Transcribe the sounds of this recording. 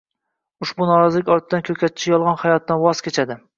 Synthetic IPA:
ʊʃbunɒɾɒzɪlɪkʲɒɾt̪ʰɪd̪ankʰʲɵkʲʰat̪̚t͡ʃʰɪjɒlˠʁɑnhajɒt̪ːanwɒz̥kʲet͡ʃʰad̪ɪ

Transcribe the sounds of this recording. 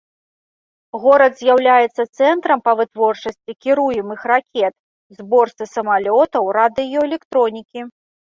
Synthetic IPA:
ɣɔɾɐd̪zʲjawlʲajɛt̪sːɐt̪sɛnt̪ɾɐmpɐvɨt̪vɔrt͡ʂɐsʲt͡sʲikʲiɾujɛmɨxrakʲɛt̪̚ | zbɔrt̪sɨsɐmalʲɔt̪ɐwɾad̪ɨjɔɛlʲɛkt̪ɾɔnʲikʲi

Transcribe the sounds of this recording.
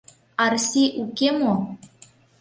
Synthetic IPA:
arsiʔukemo

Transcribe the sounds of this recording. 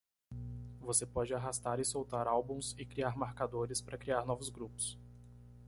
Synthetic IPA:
vosepɔd͡ʒɪaɦast̪aɾɪsowt̪aɾawbũsɪkɾiaɾmaɾkad̪oɾɪspɾɐkɾiaɾnɔvʊzɡɾupʊ̥s

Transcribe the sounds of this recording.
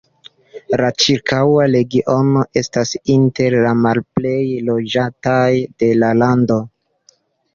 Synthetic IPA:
lat͡ʃiɾkʰawale̞ɡiʔo̞no̞ʔe̞stasinte̞ɾlamalple̞jlo̞d͡ʒatajde̞lalando̞

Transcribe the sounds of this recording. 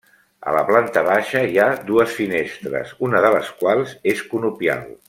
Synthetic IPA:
ə̰lə̰plant̪əβ̞aʃəiad̪uəsfinest̪ɾə̰zunəðələskwalˠzeskunupia̰lˠ

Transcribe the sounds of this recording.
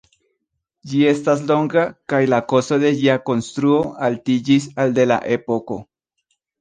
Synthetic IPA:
d͡ʒie̞st̪as̬lo̞ŋɡakajlako̞soðe̞ʝiako̞nst̪ɾuoalt̪id͡ʒis̬ald̪e̞la̰ʔepoko̞

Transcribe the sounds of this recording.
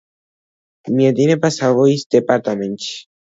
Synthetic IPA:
mied̪inepasaβoisd̪epaɾt̪ament͡ʃi̥

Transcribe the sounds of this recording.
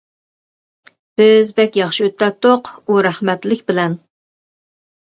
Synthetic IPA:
b̥ɪzbɛkʲjɑχʃiøt̪ʰːɛt̪ʰːoquɾæhmɛt̪lɪkʲbɪlɛn

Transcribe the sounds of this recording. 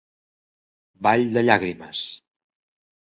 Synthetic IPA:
baʎd̪əʎaɣɾiməs

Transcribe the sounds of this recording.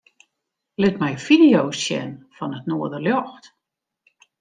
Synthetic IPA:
lɪtmɛjfidijowsjɛ̰nfɔnətnoədərljɔxt

